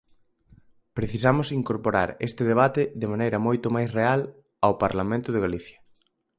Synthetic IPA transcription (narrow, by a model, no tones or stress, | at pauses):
pɾeθisamʊsiŋkoɾpoɾa̰ɾḛst̪ɪðeβ̞at̪ɪðemanejɾɐmojt̪omajsreal | awpaɾlamẽnt̪ʊðeɣaliθjɐ